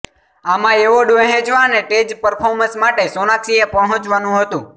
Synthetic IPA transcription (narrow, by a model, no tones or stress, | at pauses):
amãeʋoɖoeɦẽd͡ʒʋaneʈed͡ʒpəɾpʰoɾmə̃smaʈesonaksiepəɦə̃t͡ʃʋanũɦət̪ũ